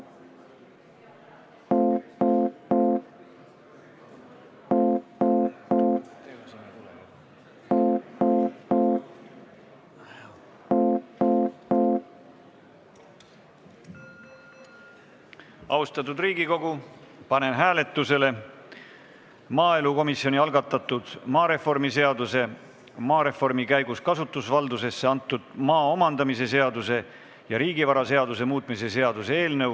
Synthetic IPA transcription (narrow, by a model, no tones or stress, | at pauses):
ɑust̪ɑt̪ːˑud̪riːɡiko̞ɡ̥upɑne̞nɦæːle̞t̪ˑːuse̞le̞ | mɑːe̞luko̞misjo̞niɑlɡɑt̪ːˑɑt̪ːud̪̥mɑːɾe̞fo̞rmise̞ɑd̪use̞ | mɑːɾe̞fo̞rmikæjɡuskɑsut̪ːˑusvɑld̪use̞sːeɑnt̪ːˑud̪̥̚mɑːomɑnd̪̥ɑmis̬e̞se̞ɑd̪use̞ | jɑɾiːɡivɑɾɑse̞ɑd̪us̬e̞muːt̪ˑmis̬e̞se̞ɑd̪usee̞ːlnɤw